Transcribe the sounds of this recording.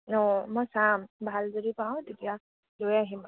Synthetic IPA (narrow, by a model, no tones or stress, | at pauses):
ɔmɔjsambʱald̪ʱɔɾipãw̃t̪et̪ija | lojaɦima